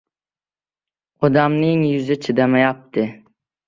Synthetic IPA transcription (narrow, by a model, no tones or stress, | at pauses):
ɒd̪amnɪŋjʊzɪt͡ʃʰɪd̪amajap̚t̪ʰɪ